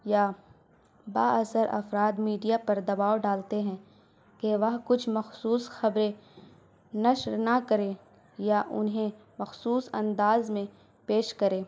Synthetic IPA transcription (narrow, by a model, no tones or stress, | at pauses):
ja | baːʔɐsəɾɐ̰fɾaːd̪miːɖijapɐɾd̪ɐbaːoɖaːlt̪eɦɛ̃ː | keʋɐɦkʊt͡ʃʰmɐxsuːsxɐbɾẽ | nɐʃɾnɐkɐɾeː | jaʔʊ̰nɦẽ | mɐxsuːsɐ̰̃nd̪aːzmẽ | peːʃkɐɾeː